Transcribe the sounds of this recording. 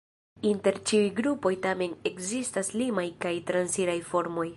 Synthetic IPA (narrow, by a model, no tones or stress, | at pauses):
inte̞ɾt͡ʃiujɡɾupo̞jtame̞ne̞kzistaslimajkajtɾansiɾajfo̞ɾmo̞j